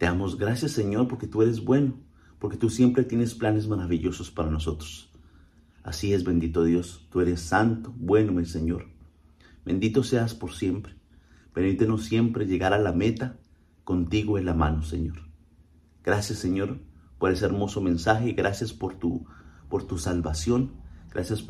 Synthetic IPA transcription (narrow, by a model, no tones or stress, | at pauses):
t̪e̞amo̞zɡɾasjasːeɲo̞ɾpo̞ɾke̞t̪ue̞ɾe̞zbwe̞no̞ | po̞ɾke̞t̪usje̞mpɾet̪je̞ne̞splanezmaɾaβiʎo̞sospaɾano̞so̞t̪ɾos | a̰sie̞zβe̞nd̪it̪oðjo̞st̪ue̞ɾe̞sːant̪obwe̞no̞mese̞ɲo̞ɾ | be̞̰nd̪it̪ose̞aspo̞ɾsje̞mpɾe̥ | peɾmit̪eno̞sːje̞mpɾe̞ʝe̞ɣaɾalame̞t̪a | ko̞nt̪iɣoenlamãnose̞̰ɲo̞ɾ | ɡ̥ɾasjasːeɲo̞ɾpo̞ɾe̞s̬eeɾmo̞so̞mẽ̞nsaxe̞iɣɾasjaspoɾt̪upoɾt̪usalβasjo̞nɡ̥ɾʔa̰sjas